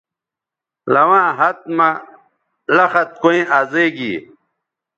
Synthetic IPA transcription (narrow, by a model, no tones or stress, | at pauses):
lɐwãːɦɐt̪̚mɐ | lɐxɐt̪̚koĩʔaːzeːɡḭ